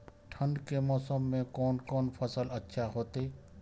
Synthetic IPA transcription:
ʈʰə̃ɳɖkemɔːsəmːẽkɔːnkɔːnpʰəsələtːʃʰaɦoːt̪eː

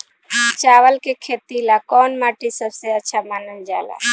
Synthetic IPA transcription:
t͡ʃaːʋəlkekʰeːt̪ilakɔːnmaːʈisəbseəːt͡ʃʰamaːnənd͡ʒa̰ːla̰

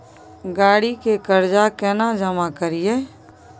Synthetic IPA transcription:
ɡaːɽikekəɾd͡ʒakɛːnad͡ʒəmakəɾijeː

